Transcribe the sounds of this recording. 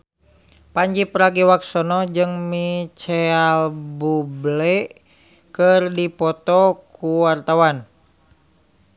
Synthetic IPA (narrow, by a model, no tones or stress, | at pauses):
paɲd͡ʒipəɾaɡiwaksɔnɔd͡ʒɨŋmit͡ʃɛalbublɛ | kɨrdipɔt̪ɔkʰuwart̪awan